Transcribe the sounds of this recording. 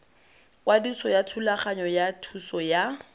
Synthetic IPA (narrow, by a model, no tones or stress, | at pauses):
wadisɔjatʰulaχaɲɔjatʰusɔja